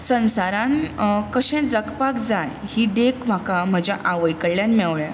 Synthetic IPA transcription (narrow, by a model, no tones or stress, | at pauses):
sə̃ñsaɾãnkəɕɛ̃d͡zəkpakd͡zajhiːd̪ekʰm̤akam̤əd͡ʑjaʔaʋəjkəɽlːjanmɛwɭja